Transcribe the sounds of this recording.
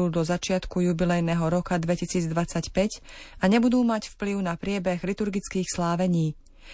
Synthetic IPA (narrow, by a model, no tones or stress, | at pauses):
ud̪ɔzat͡ʃɪat̪kujubilɛjnɛɦɔɾɔkad̪ʋɛcisiːd͡zd̪ʋat͡sacpɛcaɲɛbud̪uːmacfpliʊnapɾɪɛbɛɣlit̪uɾɡit͡skiːxslaːʋɛɲiː